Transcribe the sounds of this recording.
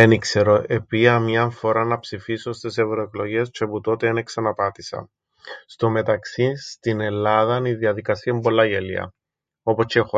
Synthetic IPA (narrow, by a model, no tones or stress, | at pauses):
enikseɾoʔe̞piɐmɲɐɱfo̞ɾɐnɐpsifisost̪isevɾoe̞klo̞ʝe̞st͡ʃeput̪o̞t̪eeneksɐnɐpɐt̪isɐ̰ | st̪ome̞t̪ɐksist̪ine̞lːɐðɐniðiɐðikɐsiɐimbo̞lːɐʝelḭɐ̰ | o̞post͡ʃexo